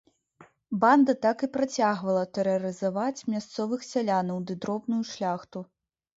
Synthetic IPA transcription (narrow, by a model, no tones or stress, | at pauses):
band̪ɐt̪akɨpɾat͡sʲaɣvɐlˠɐt̪ɛɾɐɾɨzavat͡sʲmʲast̪sɔvɨxsʲalʲanɐwd̪ɨd̪ɾɔbnujuʂlʲaxt̪u